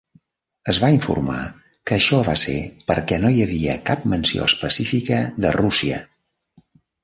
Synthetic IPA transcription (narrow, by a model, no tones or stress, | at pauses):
əzβaiɱfṵrma̰ | kəːʃɔβasḛpəɾkɛnojəβiəkap̚mənsio̰əspəsifikəðərusiə̰